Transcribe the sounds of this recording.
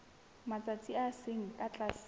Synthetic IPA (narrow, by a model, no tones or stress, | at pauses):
mat͡sʼat͡sʰʼiaseŋ̩kʼat͡ɬʼas